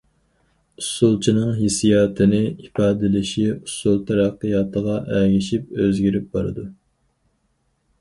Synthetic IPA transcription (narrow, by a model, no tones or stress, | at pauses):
usulˠt͡ʃʰinɨŋɦisijɑːt̪ʰɨnɪifɑːd̪ɪlɪʃiusːulˠt̪ʰɑɾɑqːəjɑːt̪ʰəʁɑʔæɡʲiʃip̚øzɡʲiɾyp̚bɑɾɨ̰d̪u